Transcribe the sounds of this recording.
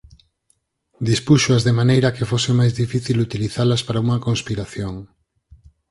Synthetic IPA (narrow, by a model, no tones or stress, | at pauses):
d̪ispuʃoɐzðemanejɾɐkefosɪmajzðifiθilut̪iliθalɐspaɾauŋɐkonspiɾaθjoŋ